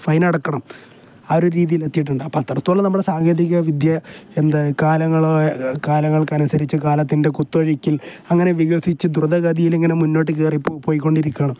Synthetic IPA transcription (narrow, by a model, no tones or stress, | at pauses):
fɐjnɐɽɐkːɐɳɐm | ɐɾuɾiːðijilet̪ːijiʈ̬ːuɳɖaːpːat̪ːɐrɐt̪ːuoɭɐnɐmːuɽesaːŋɡjeðiɣɐʋid̪jɐend̪ɐkaːlɐŋːɐɭokaːlɐŋːɐɭkɐnusɐɾit͡ɕːɨkaːlɐt̪̬ːinde̞kut̪ːuɐɻikʲːilɐŋːɐne̞ʋiɣɐɐsit͡ɕːɨd̪ruðɐɣɐd̪ijileŋːɐnemunːo̞ːʈ̬ːɨk̬eːripːpːoːjikːo̞ɳɖiɾikʲːɐɳɐm